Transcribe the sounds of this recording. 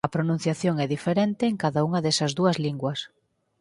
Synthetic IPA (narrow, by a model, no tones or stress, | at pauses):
ɐpɾonũn̟θjaθjoŋɛðifeɾent̪eːŋkaðauŋɐðɛsɐzðuɐzliŋɡwɐs